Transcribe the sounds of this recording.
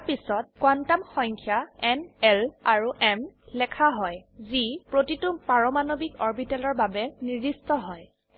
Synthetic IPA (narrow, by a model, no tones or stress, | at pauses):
pisɔt̚kwantamxɔŋkʰjaɛnɛlaɹuʔɛmlɛkʰaɦɔjzipɹotitupaɹɔmanobikɔɹbitɛlɔɹbabɛniɹdistɔɦɔj